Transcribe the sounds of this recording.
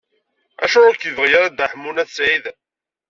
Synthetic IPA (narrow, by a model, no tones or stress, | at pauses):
æ̰ʃʊɾˤakiðəʁjæɾæd̪aħmːunæθsʕið